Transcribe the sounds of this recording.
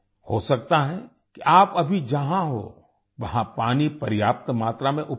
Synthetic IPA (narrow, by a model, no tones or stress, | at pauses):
ho̰ːsɐk̚t̪aɦɛ̃ | kiʔaːpɐbʱid͡ʒɐɦãɦo̰ | ʋɐɦãpaːnipɐɾjaːp̚t̪maːt̪ɾamẽʔʊ